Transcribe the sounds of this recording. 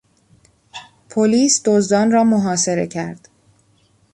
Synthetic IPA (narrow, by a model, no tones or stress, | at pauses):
pʰoliːsd̪ozd̪ɒːnrɒːmoɦɒːse̞ɾe̞̰cʰæ̰ɾd̪̥